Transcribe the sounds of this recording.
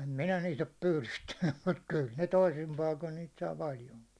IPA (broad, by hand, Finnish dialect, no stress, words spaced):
em minæ niːt op pyːlystænːym mut kyl ne toisim pɑikon niːt sɑː pɑljoŋki